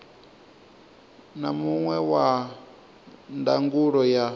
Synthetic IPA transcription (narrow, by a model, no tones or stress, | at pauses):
namuŋwɛwa | ndaŋɡuɺɔja